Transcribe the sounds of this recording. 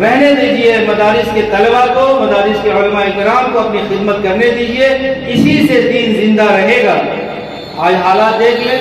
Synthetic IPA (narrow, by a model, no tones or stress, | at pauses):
ɾɛɦned̪iːd͡ʒiemɐd̪aːɾɪsket̪ɐlbakomɐd̪aːɾɪskeʊlmaːikɪɾaːmkoɐpnixɪd̪mət̪kɐɾned̪iːd͡ʒieɪsised̪iːnzɪ̃nd̪aɾɐɦeːɡaː | aːd͡ʒɦaːlaːt̪̚d̪eːkʰleː